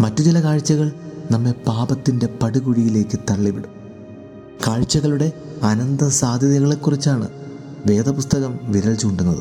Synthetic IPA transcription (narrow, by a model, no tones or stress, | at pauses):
mɐtːut͡ɕilɐkaːɻt͡ɕːɐɣɐɭnɐmːe̞paːbɐt̪ːinde̞pɐɽuɣuɻijile̞ːkːɨt̪ɐɭːiʋiɽum | kaːɻt͡ɕːɐɣɐɭuɽe̞ɐnɐnd̪ɐsaːd̪ʱjɐðjɐɣɐɭe̞kːurit͡ɕːaːɳɨ̰ | ʋe̞ːd̪ɐpust̪ɐɣɐmʋiɾɐɭt͡ɕuuɳɖunːɐðɨ̰